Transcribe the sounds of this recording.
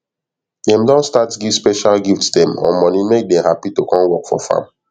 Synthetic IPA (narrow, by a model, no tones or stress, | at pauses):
dɛ̃mdɔ̃ntstatɡivspɛʃalɡiftsdɛ̃mɔ̰̃mɔ̃nimek̚dɛ̃hapitokɔ̃nwɔkfɔfã̰m